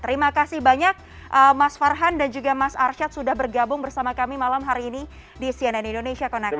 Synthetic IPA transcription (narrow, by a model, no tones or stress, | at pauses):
t̪əɾimakasɪhbaɲak̚ʔəmasfarɦandand͡ʒuɡamasarʃat̪̚sudahbərɡabʊŋbərsamakamimalamɦaɾiːni | disiɛnɛnindonesiakonak